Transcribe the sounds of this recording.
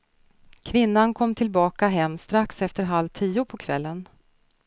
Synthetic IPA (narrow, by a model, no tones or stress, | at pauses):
kʰvɪnːankʰɔmːt̪ʰɪlbɑːkaɦɛmːst̪ɾaksɛft̪əɾɦalvt̪ʰiːʊpʰɔkʰvɛlːən